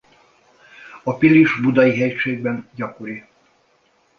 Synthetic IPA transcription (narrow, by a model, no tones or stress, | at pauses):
ɒpiliʒbud̪ɒjiɦɛcʃeːɡ̚bɛnɟɒkoɾi